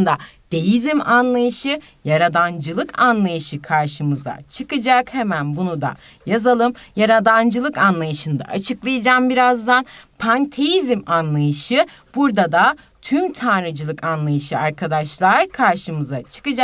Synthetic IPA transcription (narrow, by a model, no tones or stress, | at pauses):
nd̪ad̪̥e̞jizimanlˠajɯʃɯ | jaɾad̪and͡ʒɯlˠɯkʰanlˠajɯʃɯkʰaɾʃɯmɯza̰t͡ʃʰɯkɯd͡ʒakhemænbunud̪a̰ | jazalˠɯmjaɾad̪and͡ʒɯlˠɯkanlˠajɯʃɯnd̪a̰ʔa̰t͡ʃʰɯklˠajad͡ʒaːmbiɾazd̪anpʰant̪ʰejizimanlˠajɯʃɯ | b̥uɾd̪ad̪a | t̪ʰymt̪ʰaːɾɯd͡ʒɯlˠɯkʰanlˠajɯʃɯaɾkʰad̪aʃlˠaɾkʰaɾʃɯmɯzat͡ʃʰɯ̥kɯd͡ʒak